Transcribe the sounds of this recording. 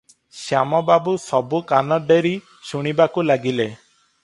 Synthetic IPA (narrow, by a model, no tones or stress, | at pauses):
sjamɔbabusɔbukanɔɖeɾi | suɽ̃ibakulaɡile